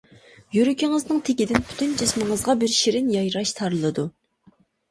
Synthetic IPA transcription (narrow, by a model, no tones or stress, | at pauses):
jyɾykʲɪŋɨznɨŋt̪ʰekʲid̪ɪnpʰy̥t̪ʰynd͡ʒismɨŋəzʁɑbɪɾʃiɾɪnjɑjɾɑʃt̪ʰɑɾɨlˠɨd̪u